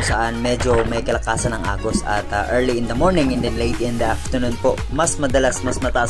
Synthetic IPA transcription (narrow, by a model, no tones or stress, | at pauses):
sɐʔanmɛd͡ʒomɐjkɐlɐkaːsɐnɐŋʔa̰ːɡosɐ̰t̪aʔɛɹliɪnd̪ɐmoɹnɪ̃ŋɛ̃nd̪ɛnlejt̪̚ɛ̃nd̪ɐʔaft̪ənunpo | mɐsmɐd̪ɐlasmɐsmɐt̪ɐʔa